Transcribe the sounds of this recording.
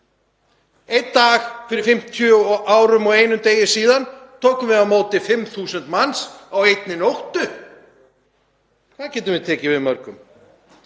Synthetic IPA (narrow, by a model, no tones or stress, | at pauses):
ejt̪t̪ːaːxfɪɾɪɾ̥fɪm̥t̪ʰjœʔaːwɾʏmɔɣeːjnʏmt̪eːjɪ̥siːðant̪ʰoːwkʏmvɪðawmoːwt̪ɪfɪmθuːsɛnt̪mansawejt̪nɪnowht̪ʏ | kʰvaðcɛːt̪ʏmvɪðt̪ʰɛːcɪvɪðmœɾkʏm